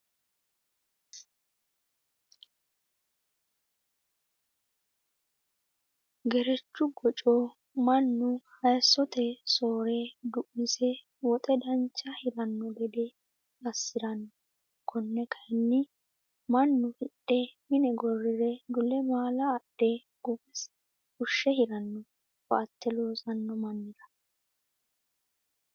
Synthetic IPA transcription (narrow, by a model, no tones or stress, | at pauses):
ɡɛɾɛt͡ʃːʊɡɔt͡ʃʼo | mɐnːʊhɐjsːɔt̪ɛsoːɾed̪ʊʔːɪsɛ | wɔt̪ʼɛd̪ɐnt͡ʃːɐhɪɾɐnːɔɡɛd̪ɛ | ɐsːɪɾɐnːɔ | kʰɔnːɛkʰɐjnːɪ | mɐnːʊhɪɗːɛmɪnɛɡɔrːɪɾɛd̪ʊlɛmaːlɐːɗ̥e | ɡ̥ʊbɛs | ʊʃːɛhɪɾɐnːɔ | ba̰ːt̪ːɛloːsɐnːɔmɐnːɪd̪ɐ̥